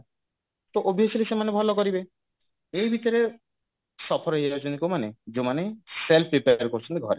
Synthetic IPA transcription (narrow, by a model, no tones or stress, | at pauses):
t̪oʔobʱiɦesɔlisemanebʱɔlɔkɔɾibe | ejbʱit̪ɔɾe | sɔpʰɔɾɔɦeɾod͡ʒonikomaned͡ʒomaneselpʰɾipeaɾkoɾt͡ʃʰɔnt̪iɡʱɔɾe